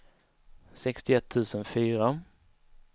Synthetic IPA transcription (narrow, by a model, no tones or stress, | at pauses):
sɛkst̪ɪɛt̪ʰːʉ̟ːsənfyːɾa